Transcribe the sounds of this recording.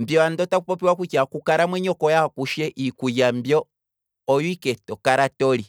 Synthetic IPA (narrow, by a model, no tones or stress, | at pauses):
m̩bjɔandɔtakupɔpiwakwit͡ʃakukaɾamwɛɲɔkɔjakuʃɛʔikujambjɔː | juikɛtɔkaɾatɔli